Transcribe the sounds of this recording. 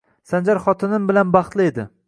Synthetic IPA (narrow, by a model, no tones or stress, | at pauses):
sand͡ʒaɾχɒt̪ʰɪnɪmbɪlanbɑχt̪lˠɪe̞d̪ɪ